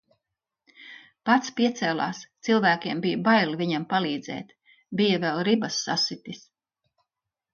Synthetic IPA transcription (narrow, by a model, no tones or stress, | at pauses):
pat̪spiɛt̪sɛːlˠa̰ːst̪silˠvæːkʲiɛmbijbajliviɲampalˠiːd̪zɛ̰ːt̪ | bijavɛlˠɾibɐsːa̰sit̪is